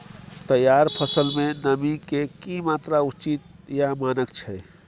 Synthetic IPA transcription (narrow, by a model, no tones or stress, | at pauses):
t̪əjaɾpʰəsəlmenəmikekimat̪ɾaut͡ʃit̪̚jamanəkt͡ʃʰɛ